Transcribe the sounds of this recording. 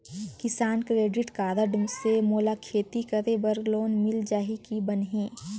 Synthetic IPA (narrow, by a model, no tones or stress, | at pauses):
kɪsaːnkɾeːɖɪʈkaːd̪əɖmsemoːlakʰeːt̪ikɐɾebɐɾɡloːnmɪld͡ʒaːɦikibənɦẽː